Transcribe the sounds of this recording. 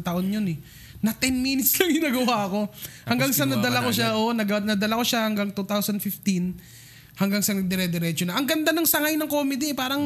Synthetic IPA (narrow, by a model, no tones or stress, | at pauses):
t̪ɐʔo̞njonɛ | nɐt̪ɛnmiːnɪt̪slɐŋhɪnɐɡɐwaɐko̞hɐŋɡaŋsɐnɐd̪ɐlakoʃaʔonɐɡɐnɐd̪ɐlako̞ʃahɐŋɡaŋt̪ut̪awsɐnfɪft̪in | hɐŋɡaŋsɐŋd̪ɛɾɛd̪ɛɾɛt͡ʃonɐʔɐŋɡɐnd̪anɐŋsɐŋajnɐŋkoːmɪd̪iɛpaːɾɐŋ